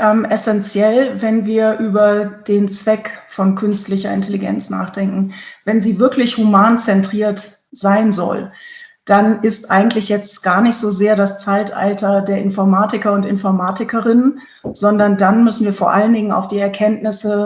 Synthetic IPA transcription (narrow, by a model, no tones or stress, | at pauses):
ʔɛːmʔɛsɛnt͡sjɛlvɛnviːɐʔyːbɐd̥eːnt͡sv̥ɛkfɔnkʰʏnstlɪçɐɪ̰ntʰɛliɡɛ̰nt͡sna̰ːχd̥ɛŋkŋ̩vɛnziːvɪɐklɪçhumaːnt͡sɛntʁ̥iːɐt | z̥aɪnzɔ̰l | d̥anɪstʔaɪɡŋ̩tlɪçjɛt͡stɡ̥aːɐnɪçtz̥oːzeːɐdast͡saɪtʔa̰ltɐdeːɐʔɪnfɔɐmaːtɪkɐʊntɪnfɔɐmaːtɪkəʁɪnən | z̥ɔndɐndanmʏsn̩viːɐfoːɐʔaləndɪŋəna̰ʊfd̥iːɛɐkʰɛntnɪsə